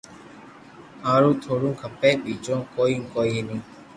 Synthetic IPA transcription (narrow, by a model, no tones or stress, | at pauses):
ãːɾũːt̪ʰoːɾũːkʰəpːɛːɓiːt͡ʃõːkoːiũkoːienĩː